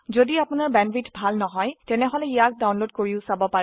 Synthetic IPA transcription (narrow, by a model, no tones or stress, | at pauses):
zodiapʊnaɹbɛnbitbʱalnɔɦɔjtɛnɛɦɔlɛijak̚dawnlod̚koɹiʊsabɔpaɹɛ